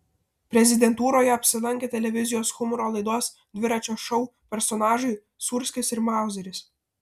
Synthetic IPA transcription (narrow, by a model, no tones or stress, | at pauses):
pʲɾʲɛzʲɪd̪ʲɛnt̪uːɾoːjɛɐpʲsʲɪlˠɐŋʲkʲeːt̪ʲɛlʲɛʋʲɪzʲɪjoːsxʊmʊɾoːlˠɐɪd̪uɔs | d̪ʲʋʲɪɾɑt͡ʃʲoːʃɔʊpʲɛɾsɔnɑːʒʊɪ | sʊɾʲsʲkʲɪsɪɾmɑˑʊzʲɛɾʲɪs